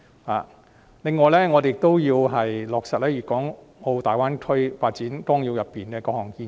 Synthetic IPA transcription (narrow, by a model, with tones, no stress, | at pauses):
ha̰ː˨˩ | lɪ˨ŋːɔː˨jlɛː˥ŋɔː˨˧de˨jɪ˨k̚t̪o˥wjiː˧wɦɐ˨jlɔː˨k̚sɐ˨t̚lɛː˥jiː˨˩kːɔː˨˥ŋ | o˧wt̪aː˨˩jwaː˥nkʰɵ˥jfaː˧t̚t͡siː˨˥nt̪ɔː˥ŋjiː˧wjɐ˨pːiː˨˩nkɛː˧kɔː˧hɔː˨˩ŋkiː˧